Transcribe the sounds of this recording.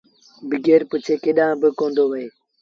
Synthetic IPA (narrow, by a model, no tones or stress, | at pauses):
bɪɡeːɾpʊt͡ʃʰeːkeɗãːbɪkõːnd̪oːʋəeː